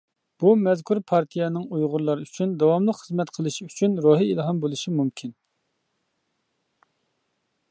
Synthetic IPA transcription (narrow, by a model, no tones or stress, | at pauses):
b̥umɛzkʰuɾpʰɑɾt̪ʰijɛnɨŋujʁʊɾlˠɑɾɨyt͡ʃʰynd̪ɑwɑmlˠəqχəzmɛt̪qʰəlˠɨʃyt͡ʃʰynɾoɦiilˠɦɑmbolˠɨʃimumkʲʰin